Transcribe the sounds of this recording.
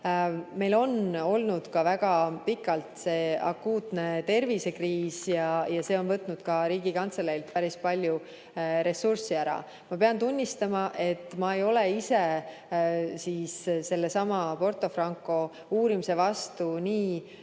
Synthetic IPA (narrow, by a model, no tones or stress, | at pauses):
me̞jlo̞no̞lnud̪̥kɑvæɡ̥ɑpikːˑɑlt̪se̞ːɑ̰kːuːt̪ne̞t̪e̞rvise̞kriːsjɑjɑse̞ːo̞nvɤt̪ːˑnud̪̥kɑɾiːɡ̥ikɑnt̪seleilt̪pæɾispɑlʲju | ɾe̞sursiæɾɑ̰ | mɑpe̞ɑnt̪unʲːist̪ɑmɑʔe̞t̪ːˑmɑejo̞leise̞ | siːsse̞lːe̞sɑmɑpo̞rt̪ˑo̞frɑŋkˑo̞ | uːɾimise̞vɑst̪uniː